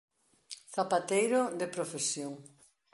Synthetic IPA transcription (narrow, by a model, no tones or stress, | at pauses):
θapat̪ejɾod̪epɾofesjoŋ